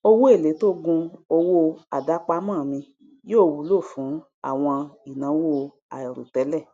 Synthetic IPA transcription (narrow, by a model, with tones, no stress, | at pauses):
o˧wo˦e˦˨le˨˦to˦ɡũ˧o˧wo˦a˨da˨˦k͡pa˦mãː˦˨mĩ˧ | jo˦˨˧wu˨˦lo˦˨fũ˨˦ | a̰˦˨w̃ɔ̃˧i˨nã˨˦wo˦˨ | a̰˨i˨ɾṵ˨tɛ˨˦lɛ˦˨